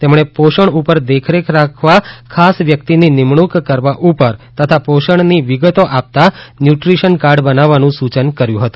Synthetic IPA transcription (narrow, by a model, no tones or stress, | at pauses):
t̪ɛmɳ̃epoʃəɳupəɾd̪ekʰɾekʰɾakʰʋakʰasʋjəkt̪ininimɳ̃ukːəɾʋaʔupəɾt̪ət̪ʰapoʃəɳniʋiɡət̪oʔap̚t̪anjuʈɾiʃənkaɾɖbənaʋːanũsut͡ʃənkəɾjũɦət̪ũ